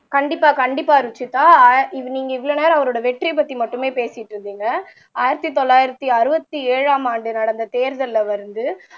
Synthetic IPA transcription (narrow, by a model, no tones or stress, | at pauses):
kɐɳɖɪpːaːkɐɳɖɪpːaːɪɾɯt͡ʃːɯt̪ːaːɪniːŋɡɐɪʋːɐɭoːneːɾɐɐʋɐɾoːɽɐʋɛʈripɐt̪ːimɐʈːɯmeːpeːsɪʈːɾɯnd̪iːŋɡɐ | aːjɪɾɐt̪ːit̪ɔlːaːjɪɾɐt̪ːiɐɾɯbɐt̪ːieːɻaːmaːɳɖɯnɐɽɐnd̪ɐt̪eːɾðɐlːɐʋɐɾɯnd̪ɯ